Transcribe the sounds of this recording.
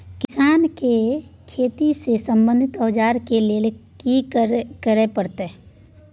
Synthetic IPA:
kɪsaːnkekʰeːt̪isesə̃mbə̃nd̪ʱɪt̪ɔːd͡ʒaːɾkeleːlekikəɾepəɽt̪eɛ

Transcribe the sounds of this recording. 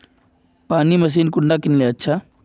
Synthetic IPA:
paːnimɐs̬iːnkʊɳɖaːkɪnleɐtːʃʰaː

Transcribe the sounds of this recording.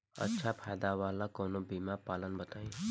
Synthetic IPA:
ə̰tːʃʰapʰaːjd̪aʋaːlakɔːnobiːmapaːlənbət̪aːĩ

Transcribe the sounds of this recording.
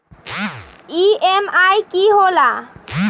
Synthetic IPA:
iemajkiɦola

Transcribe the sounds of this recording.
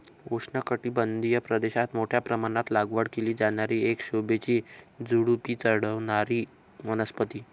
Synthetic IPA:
oʂɳəkəʈiːbənd̪ʱijəpɾəd̪eɕat̪moʈʰjapɾəmaɽat̪laɡʋəɽkeliːd͡zaɽjaɾiːekɕobet͡ɕiːd͡zuɽupiːt͡səɽəʋɳaɾiː | mənəspət̪iː

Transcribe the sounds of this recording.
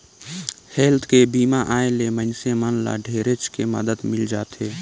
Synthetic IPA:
hɛːlt̪ʰkebiːmaʔaːẽlemənsemənla̰ɖʱeːɾet͡ʃkemə̰d̪əd̪mɪld͡ʒaːt̪eː

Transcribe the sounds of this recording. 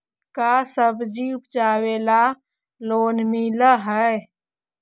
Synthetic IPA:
kasəbd͡ʒiʊpd͡ʒaːweːla | loːnmiləɦə

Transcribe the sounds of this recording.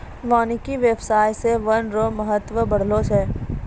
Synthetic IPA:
ʋaːnikiʋjebsaːjseʋɐnɾoːməɦət̪ʋəbɐɽ̤loseː

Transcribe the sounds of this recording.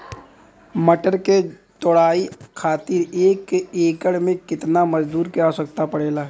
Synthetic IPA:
məʈəɾke | t̪ɔɽaːikʰaːt̪iɾeːkeːkəɽmẽkɪt̪namɐd͡ʒd̪uːɾkɛasɐk̚t̪apɐɽeːlaː

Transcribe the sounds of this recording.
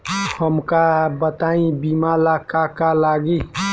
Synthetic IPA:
həmkabət̪aːĩbiːmalakakalaːɡi

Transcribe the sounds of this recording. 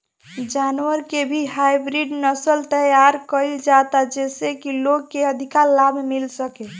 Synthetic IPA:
d͡ʒanwəɾkebʱiɦajbɾiɖnəsəlt̪əjaɾkəɪld͡ʒat̪ad͡ʒesekiloɡkeəd̪ʱikalabʱmilsəke

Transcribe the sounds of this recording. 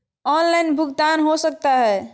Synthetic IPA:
ɔnlajnbʱuɡt̪anɦosək̚t̪aɦɛ

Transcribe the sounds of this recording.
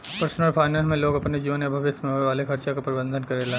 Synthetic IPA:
pəɾsnəlpʰaːɪnəlmẽloːɡɐpned͡ʒiːʋənɐbʱəʋɪsmẽɦoeʋaːlekʰɐɾt͡ʃakapɾɪbə̃nd̪ʱənkɐɾela

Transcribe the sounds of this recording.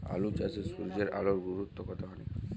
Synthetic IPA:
a̰lut͡ʃasesuɾid͡ʑeɾʔa̰loɾɡuɾut̪ːokɔt̪ʰaɦɔni

